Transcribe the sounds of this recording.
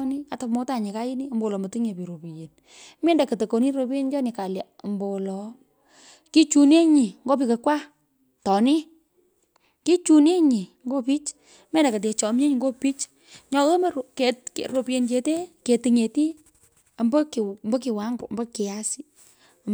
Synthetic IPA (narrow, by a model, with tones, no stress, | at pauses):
ni˦a˨tɔ˨mo˨˦ta˨ɲi˨ka˦ji˦ni˦ɐ˨mbo˦wlɔ˨mə˨ti˦ŋe˨pi˨ɾo˨pi˨je˨n | mɛ˦nda˨kə˨to˨ko˨ni˦ɾo˧pi˦e˦nd͡ʒɔ˦ni˨ka˨lja˨mbo˨lɔ˨ | ki˦t͡ʃu˨ne˦ɲi˨ŋɡo˦pi˨kɐ˨kwa˦ | tɔ˨ni˦ | ki˦t͡ʃu˨ne˦ɲi˨ŋɡo˦pi˦t͡ʃ | mɛ˦nda˨kɐ˨t̬e˨t͡ʃɔ˨m˦ɲe˦ɲi˨ŋɡo˦pi˦t͡ʃ | ɲɔ˧ɣo˦m˦ke˨tke˨ɾo˨pi˦e˨nt͡ʃe˨te˦ke˨ti˨ŋe˨ti˦ | a˨mbɐ˦kmbɔ˦kɪ˨wa˦ŋɡʊ˨mbɔ˦kɪ˨ja˦si˦